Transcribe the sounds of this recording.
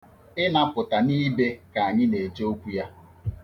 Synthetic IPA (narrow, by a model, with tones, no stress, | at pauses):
ɪ˦na˦pʊ˨ta˨ni˦be˦ka˨a˨ɲɪ˦ne˨d͡ʒo˦o˦kʷu˦ja˦